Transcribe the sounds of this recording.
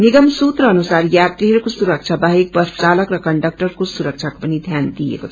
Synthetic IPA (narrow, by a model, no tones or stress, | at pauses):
niɡəmsut̪ɾʌːnusaɾjat̪iɦʌɾukosuɾək̚t͡ʃʰabaɦek̚bʌɾst͡saləkɾʌkəɳɖək̚ʈəɾkosuɾək̚t͡ʃʰako̥pənid̪ʱjand̪ijḛkot͡sʰʌ̥